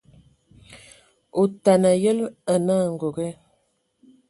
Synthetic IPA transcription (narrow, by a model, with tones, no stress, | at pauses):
o˨ta˨na˨jə˦lə˨na˦˨ŋ˨ɡo˨ɡɛ˦